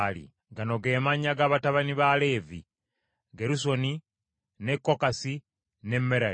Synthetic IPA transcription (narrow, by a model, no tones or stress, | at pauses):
lḭ | ɡano̞ɡe̞ːmaɲaɡaβataβaniβale̞ːvḭ | ɡeɾus̬o̞ni | ne̞kːo̞kasi | ne̞mːeɾa